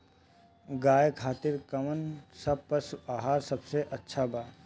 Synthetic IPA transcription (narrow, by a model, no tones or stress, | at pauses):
ɡaːjkʰaːt̪ɪɾkɐmənsɐb̚pɐɾsuaːɦaːɾsɐbseʔɐtːʃʰabaː